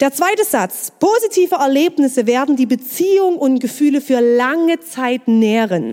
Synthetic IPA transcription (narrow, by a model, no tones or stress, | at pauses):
d̥eːɐt͡sv̥aɪtəz̥at͡spʰozitʰiːvəɛɐleːpnɪsəveːɐdn̩diːbət͡siːʊŋʊntɡ̥əfyːləfyːɐlaŋət͡saɪtnɛːəʁən